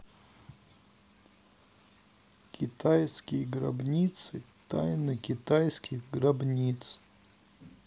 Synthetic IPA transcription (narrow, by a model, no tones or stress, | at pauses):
kʲʰit̪ʰajskʲijɡra̰bnʲit̪sɨ | t̪a̰jnɨkʲit̪ajskʲixɡrabnʲit̪s